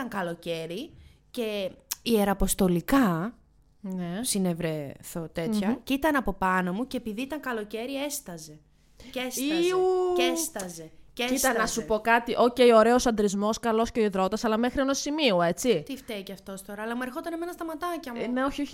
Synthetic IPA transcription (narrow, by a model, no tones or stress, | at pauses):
ɐŋkɐlo̞ce̞ɾice̞ie̞ɾɐpo̞st̪o̞likɐ | nesinevɾeθot̪e̞çɐcit̪ɐnɐpo̞pɐno̞muceːpiðiit̪ɐŋkɐlo̞ce̞ɾie̞st̪ɐze̞ | ces | est̪ɐzeceit̪ɐnɐsupo̞kɐt̪iʔo̞ceio̞ɾe̞osɐnd̪ɾizmo̞skɐlo̞sceoiðɾo̞t̪ɐsɐlɐme̞xɾienosimioe̞t͡sit̪ift̪eiceɐft̪o̞st̪o̞ɾɐːlɐmue̞ɾxo̞t̪ɐneme̞nɐst̪ɐmɐt̪ɐcɐmneoço